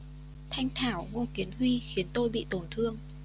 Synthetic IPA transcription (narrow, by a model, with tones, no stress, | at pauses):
t̪ʰa˧jŋ̟t̪ʰaː˧˩wŋo˧ki˨˦ənɦwi˧xi˨˦ənt̪o˧jɓḭ˧˨t̪o˧˩nt̪ʰɨ˧əŋ